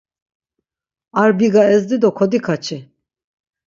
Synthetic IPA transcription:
aɾbiɡaɛzd̪id̪ɔkʰɔd̪ikʰat͡ʃʰi

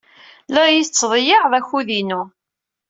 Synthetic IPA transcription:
læjiθt͡sːðˤjəʁðˤæçuðinu

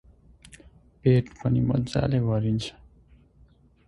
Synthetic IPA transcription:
peʈpʌnimʌ̰d͡za̰lebʱʌɾint͡sʰʌ̥

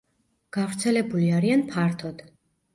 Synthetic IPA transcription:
ɡ̥avɾt̪sʰɛlɛbuliaɾianpʰaɾt̪ʰɔd̪̥

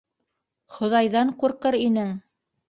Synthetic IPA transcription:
χŏðɑjðɑɴquɾqɤɾinɘŋ

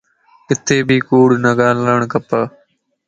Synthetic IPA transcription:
ɪt̪ʰeːbʱiːkuːɽnəɠaːləɳ̃kəpaː

